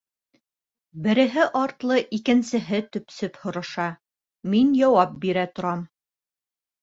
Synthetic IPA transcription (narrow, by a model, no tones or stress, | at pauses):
bɘ̆ɾɘ̆ɦɘʔɑɾt̪lˠɤʔikɘ̆nsɘ̆ɦɘt̪ɵ̆psɵphŏɾɤ̆ʃɑ | minjɒwɑp̚biɾæt̪ŏɾɑm